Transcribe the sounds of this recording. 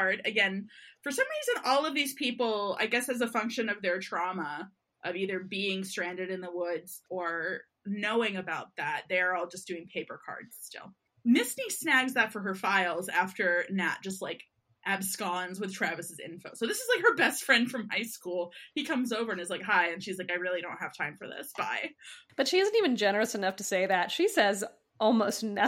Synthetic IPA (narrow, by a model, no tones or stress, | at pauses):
ɹɾɨɡɛ̃nfə˞sʌ̃mɹizɨ̃nɔlˠʌvðiz̥pʰipl̩ˠa̰ɪɡɛsɨzəfʌ̃ŋkʃɨ̃nʌvðə˞tʰɹ̥ɑmə | ʔʌviðə˞biɪ̃ŋstɹ̥æ̃ndɨɾɨ̃nðəwʊdz̥ə˞ | noʊɪ̃ŋɨbaʊt̪̚ðæt̚ðeɪə˞ɔlˠd͡ʒʌsd̥ʉɪ̃ŋpʰeɪpə˞kʰɑ̰ɹdz̥stɪ̰lˠ | mɪsnisnæɡzðɨtfə˞ə˞faɪlˠzæftə˞næt̚d̥ʒ̥ʌst̚ˡlaɪk | ʔæbskɑ̃nzwɨð̥tʰɹ̥ævɨsɨzɪ̰̃nfoʊsoʊðɪsɨzlaɪk̚hə˞bɛstfɹɛ̃nd̥fɹʌ̃mhaɪskulˠhikʰʌ̃mzoʊvə˞ɨ̃nɨzlaɪkɦaɪɨ̃nʃizlaɪkaɪɹɪlˠidõʊ̃nt̚hɨv̥tʰãɪ̃ɱfə˞ðɪ̰sb̥a̰ɪb̥ʌtʃiɪzn̩tivɨ̃nd͡ʒɛnə˞ɨsɨnʌftʰɨseɪðɨtʃisɛz | ɔlˠmoʊstnɛ